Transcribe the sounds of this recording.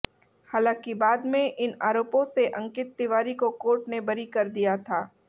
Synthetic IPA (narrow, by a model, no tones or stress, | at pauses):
haːlãːkibaːd̪mẽʔɪnaːɾoːpõseʔɐ̃ŋkɪt̪ːɪʋaːɾikokoːʈnebɐɾikɐɾd̪ijat̪ʰaː